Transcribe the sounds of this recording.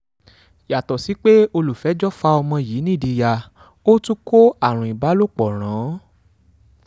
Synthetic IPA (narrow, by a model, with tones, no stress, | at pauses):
ja˨tɔ˨si˨˦k͡pe˦o˧lu˨fɛ˨˦d͡ʒɔ˦fa˧ɔ˧mɔ̃˧ji˨˦nĩ˦˨di˧ja˧˨ | o˦tũ˦kʰo˦a˦˨ɾ̃ũ˨i˨ba˨˦lo˦˨k͡pɔ˨ɾ̃ãː˨˦